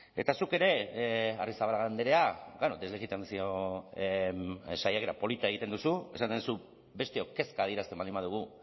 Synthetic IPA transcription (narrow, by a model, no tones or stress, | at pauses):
e̞̰t̪asuke̞ɾe̞arisaβalaɣand̪eɾe̞aɡanod̪e̞zleɣit̪ansio̞ | sajakeɾapo̞lit̪aeɣit̪e̞nd̪usue̞̰sanenusu | be̞st̪eoke̞skaːðieɾast̪e̞mband̪imbað̞uɣu